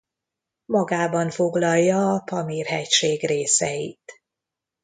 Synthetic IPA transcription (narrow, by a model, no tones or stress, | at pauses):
mɒɡaːbɒɱfo̞ɡlɒjːɒːpɒmiːrɦɛcʃeːɡreːsɛjḭt̪